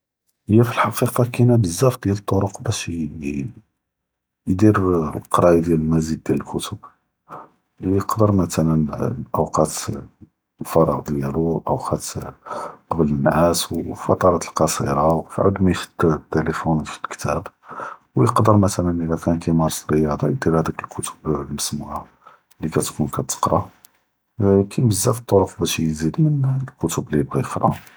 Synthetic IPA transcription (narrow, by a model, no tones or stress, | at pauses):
əjːæfilħɑqiqɑkænæbəzːæft̪̚d̪jælət̪ˤːoɾʊqbæʃ | jd̪iɾlqɑɾˤɑjd̪jæləlmæzid̪̚ːjæləlkʊt̪ʊb | jəqd̪əɾmæt̪ælənʔəwqɑt̪ | fɑɾˤɑ̰ɣd̪jæluʔəwqʰɑt̪ | qɑblənːʕæswfɑ̰t̪ˤɑɾˤɑt̪əlqɑsˤḭɾˤɑwfḭʕʊ̰d̪mixə̥t̪ːt̪ːeləfunfilkt̪ʰæ̰b | wjəqd̪əɾˤmæt̪ælənʔəlækænkæjmɑɾˤsɾəjɑd̪ˤɑjd̪iɾhæd̪ækəlkʰʊt̪ə̥blməsmuhæ | likæt̪kunkʰæt̪ə̥qɾˤɑ | kʰæjbəzːæfi̥t̪ˤːoɾʊfbæʃjzid̪mənlkʊt̪əbliəb̚ɣæjəqɾˤɑ̰